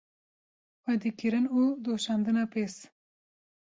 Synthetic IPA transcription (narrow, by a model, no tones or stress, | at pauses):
wad̪ikiɾɨnud̪oʃɑːnd̪ɨnapeːs